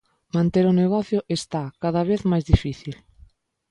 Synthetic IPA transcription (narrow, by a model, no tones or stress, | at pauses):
mãnt̪eɾʊneɣ̞ɔθjʊʔest̪akaðɐβ̞eθmajzðifiθil